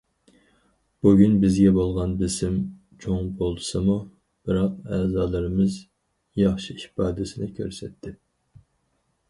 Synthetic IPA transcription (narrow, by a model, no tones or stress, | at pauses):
b̥uɡʲynbɪzɡʲɛbolˠʁɑnbɪsɪm | t͡ʃʰoŋbolˠsɨmu | b̥ɨɾɑqɛːzɑːlˠɨɾɨmɨz | jɑχʃiiʃpɑːd̪ɨsɪnɪkʲʰø̰ɾsɛt̪ʰːɪ